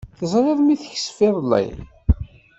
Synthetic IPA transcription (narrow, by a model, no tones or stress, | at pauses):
θəzˤɾɪðˤmiθəç̥sfɪðˤəlːæ̰j